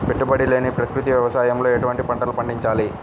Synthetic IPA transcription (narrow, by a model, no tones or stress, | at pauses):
pe̞ʈːubɐɽile̞ːnipɾɐkɾut̪iʋjɐʋɐsaːjɐmlo̞ːeʈuʋɐɳʈipɐɳʈɐlupɐɳɖiɲt͡ʃaːli